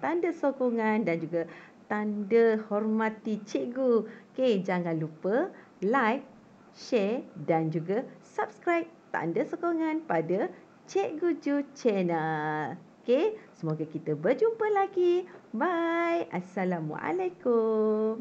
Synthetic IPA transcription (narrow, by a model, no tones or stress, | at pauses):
t̪andəsokoŋãndand͡ʒuɡat̪andəhɔrmãt̪it͡ʃeʔɡuked͡ʒaŋãnlupə | lajk̚ | ʃɛdand͡ʒuɡasap̚skɾajp̚t̪a̰ndəsokoŋãnpadə | t͡ʃeʔɡud͡ʒut͡ʃɛnəl | kesəmoɡakit̪əbərd͡ʒumpəlaɡibajʔasalamwa̰ʔa̰lakum